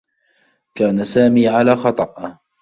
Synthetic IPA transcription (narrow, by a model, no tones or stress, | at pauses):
kaːnasaːmiːʕalaːxɑt̪ˤɑʔ